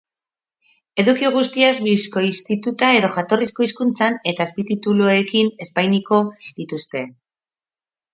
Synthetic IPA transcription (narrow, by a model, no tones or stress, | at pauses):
e̞ðukiɣ̞ust̪iazβisko̞ist̪it̪ut̪ae̞ðo̞ʝat̪o̞risko̞iskunt͡sane̞t̪aespit̪it̪uluekine̞spajniko̞d̪it̪ust̪e̞